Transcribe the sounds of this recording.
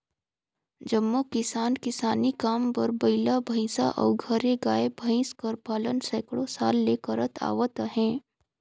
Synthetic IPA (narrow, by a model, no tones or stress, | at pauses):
d͡ʒɐmːokɪsaːnkɪsaːnikaːmpɐɾbɐɪlabʱə̃ɪ̃sa̰ʔɔ̰ːɡʱɐɾeɡaːebʱə̃ɪ̃skɐɾpaːlənsɛːkɽosaːlːeːkəɾət̪ʰa̰ːʋət̪ɦɛ̃ː